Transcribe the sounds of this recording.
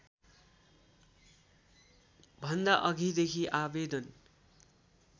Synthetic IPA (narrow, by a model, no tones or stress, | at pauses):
bʱʌnd̪aʔʌɡʱid̪ekʰiʔabed̪ʌn